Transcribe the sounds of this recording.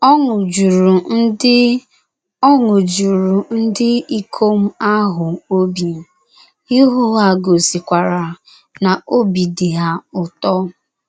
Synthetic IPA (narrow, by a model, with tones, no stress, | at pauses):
ɔ˦ŋʊ˨d͡ʒu˨ɾu˨n̩˦ɪ˦ | ɔ˦ŋʊ˨d͡ʒu˨ɾu˨n̩˦dɪ˦i˦kʰo˦m̩˦a˦ɦʊ˨o˦bi˨ | i˦ɦʊ˦ɦa˦ɡo˨si˨kʷa˨ɾa˨ | na˨o˦bi˨di˨ɦa˦ʊ˨tɔ˦